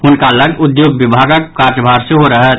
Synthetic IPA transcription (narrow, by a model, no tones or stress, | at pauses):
ʊnkaləɡʊd̪joːɡʋɪbʱaːɡək̚kaːɾt̪bʱaːɾseɦoɾəɦɛ